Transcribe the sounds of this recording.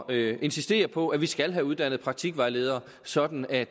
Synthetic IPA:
e̝nsisd̥e̝̰ːɐpʰɒ̽æʋisɡ̥ælɦæuð̞ˠd̥æn̰ð̩ˠpʰʁɑ̈ɡ̥̚t͡sʰiɡ̥ʋɑ̈ɪle̝ːðˠɐ | sɒ̽d̥n̩æ

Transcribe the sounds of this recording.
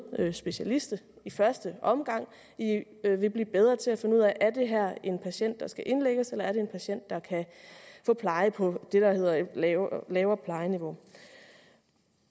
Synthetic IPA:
øsb̥e̝ɕælisd̥ə | ifɶɐsd̥əʔɒ̽mɡ̥ɑ̈ŋ̰ | i | øʋe̝b̥liːb̥eð̞ˠʁɐːt͡sʰe̝æfe̝nuð̰ˠɛʔæɐd̥e̝ɦæɐ̰e̝npʰæɕen̰d̥ːɑ̈sɡ̥æʔe̝nleɡ̥əselɐæɐɾe̝e̝npʰæɕen̰d̥ːɑ̈kʰæfɔ̽ːpʰlɑ̈ɪəpʰɒ̽d̥e̝ɾ̥ɑ̈he̝ð̰ˠɐ | lɛːʊɐpʰlɑ̈ɪəniʋo̝

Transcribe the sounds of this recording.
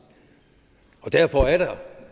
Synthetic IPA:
ɒ̽d̥æɐfɒæɐɾ̥ɑ

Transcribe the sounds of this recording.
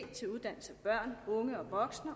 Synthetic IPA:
t͡sʰe̝luð̞ˠd̥æn̰l̩səæb̥ɶɐ̰nɔ̽ŋəɒ̽ʋɒ̽ɡ̥snɐ

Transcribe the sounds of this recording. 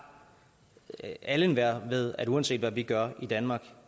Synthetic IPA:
ælənʋæɐ̰ʋe̝ðˠæɾuɛnse̝̰ːd̥ʋæʋiɡ̥ɶɐid̥ænmɑ̈ːɡ̥

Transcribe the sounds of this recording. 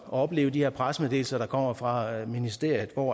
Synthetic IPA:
ɒɒ̽b̥le̝ːʊd̥iheɐ̰pʰʁasmeðˠd̥e̝ːl̩sɐɾ̥ɑ̈kʰɒ̽m̰ɐfʁɑ̈minisd̥e̝ɐ̰jð̞̩ˠʋɒ̰

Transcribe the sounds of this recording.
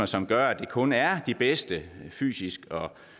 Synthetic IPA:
ɐsɒ̽mɡ̥ɶɐæd̥e̝kʰɔ̽næɐd̥ib̥esd̥əfy̰ːsisɡ̥ɒ̽

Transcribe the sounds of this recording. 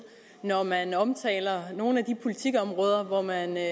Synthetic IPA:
nɒmænɒ̽mt͡sʰɛ̰ːlɐno̝ːn̩æd̥ipʰo̝lit͡sʰiɡ̥ɒ̽mʁɔ̽ːð̞ˠɐʋɒmæn

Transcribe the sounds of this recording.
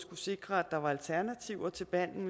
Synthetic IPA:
sɡ̥use̝ɡ̥ʁɐæd̥ɑ̈ʋɑ̈ælt͡sʰæɐnæt͡sʰiʊɐt͡sʰe̝lb̥æn̰n̩

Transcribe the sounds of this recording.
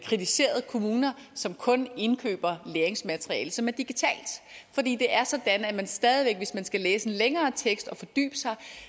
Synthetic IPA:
kʰʁit͡sʰise̝̰ːɐð̞ˠəkʰo̝muːnɐsɒ̽mkʰɔ̽ne̝nkʰø̰ːb̥ɐleːɐeŋsmæd̥ʁiɛ̰ːləsɒ̽mæɐd̥iɡ̥it͡sʰɛ̰ːld̥fɒ̽d̥ḭːd̥e̝ʔæɐsɒ̽d̥ænæmænsd̥ɛːð̞ˠiʋeɡ̥ʋe̝smænsɡ̥æleːsəe̝nleŋɐːt͡sʰeɡ̥sd̥ɒ̽fɒ̽d̥y̰ːb̥əsɑ̈ɪ

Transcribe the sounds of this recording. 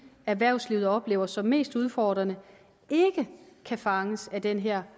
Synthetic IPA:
æʋæɐ̰ʊsliʊð̞̩ˠɒ̽b̥le̝ːʊɐsɒ̽mme̝̰ːsd̥uð̞ˠfɒːd̥ʁɐnə | e̝ɡ̥əkʰæfɑ̈ŋəsæd̥enɦɛɐ̰

